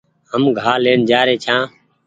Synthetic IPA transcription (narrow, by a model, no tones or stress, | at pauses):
ɦəmɡʱaːleːɳd͡ʒaːɾeːt͡ʃʰãː